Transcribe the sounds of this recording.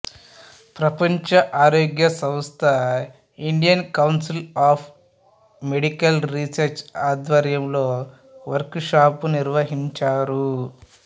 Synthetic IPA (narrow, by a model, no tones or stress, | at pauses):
pɾɐpɐɲt͡ʃɐʔaːɾoːɡjɐsɐ̃mst̪ʰɐ | iɳɖijɐnkɐwnsilaːpʰ | meɽikɐlɾisɐɾt͡ʃaːd̪ʋɐɾjɐmlo̞ː | ʋɐɾkʂaːpuniɾʋɐɦiɲt͡ʃaːɾu